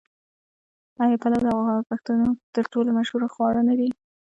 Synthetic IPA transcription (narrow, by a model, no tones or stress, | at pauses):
ɑjapalawd̪əaɣaɑpaxt̪unot̪əɾʈolomaʃhuɾaxwɑɽənad̪i